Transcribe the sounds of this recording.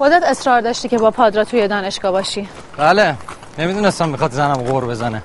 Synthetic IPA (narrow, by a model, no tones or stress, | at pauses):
xod̪æt̪esɾɒːɾd̪ɒːʃt̪iːcʰebɒːpʰɒːd̪ɾɑt̪ʰujed̪ɒːneʃɡ̥ɒːbɒːʃiː | bæle | nemid̪unest̪amːixɒt̪zænamɣoɾbezæne